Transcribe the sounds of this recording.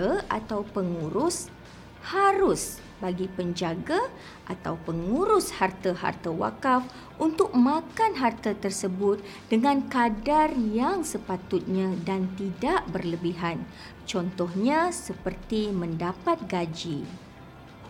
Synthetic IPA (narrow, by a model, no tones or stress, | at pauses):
a̰t̪awpəŋuɾʊs | haɾʊs | baɡipəɲd͡ʒaɡa | ʔa̰t̪a̰wpəŋuɾʊshart̪əɦa̰rt̪əwa̰kaf | unt̪ʊk̚mãkanɦart̪at̪ərsəbʊt̪̚ | d̥əŋãnkadarjaŋsəpat̪ʊt̪̚ɲãdant̪idaʔbərləbiɦan | t͡ʃɔnt̪ɔhɲãsəpərt̪imə̃ndapat̪̚ɡad͡ʒi